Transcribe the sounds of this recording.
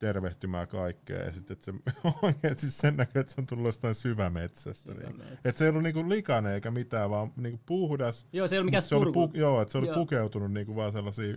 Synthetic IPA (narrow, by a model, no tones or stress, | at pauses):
t̪erʋeht̪ymæ̰ːkɑikːḛːjɑ̰sit̪ːet̪seoikeːst̪issennækyet̪seont̪ulːujost̪ɑĩnsyʋæmet̪sæ̰st̪æ̰nḭːkuet̪seijolːuniːŋkullikɑneeikæmit̪æːʋɑːmniːŋkupuhdɑsjoseiolmiæseolipukjoːet̪seolipukeut̪ununniːŋkuʋɑːselːɑsiː